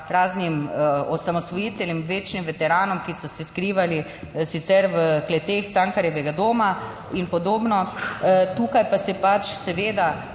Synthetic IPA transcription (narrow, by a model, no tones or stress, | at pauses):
ɾaːznimɔsamɔst̪ʋɔjiːt̪ɛljɛmʋeːt͡ʃnimʋɛt̪ɛɾaːnɔmkisɔsɛskɾiːʋali | sit̪sɛɾʋəklɛt̪eːxt̪t͡s̪aŋkaɾjɛʋɛɡad̪oːma | inpɔd̪oːbnɔ | t̪uːkajpasɛpat͡ʃsɛʋeːd̪a